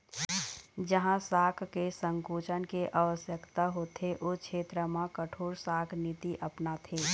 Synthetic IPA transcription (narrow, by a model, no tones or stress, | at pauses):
d͡ʒəɦãsaːkʰkesə̃ŋkuːt͡ʃənkeʔaːʋəsjəkt̪aɦot̪ʰeʔoːkʰʃʰeːt̪ɾəmãkəʈʰoːɾsaːkʰnit̪iʔəpnat̪ʰeː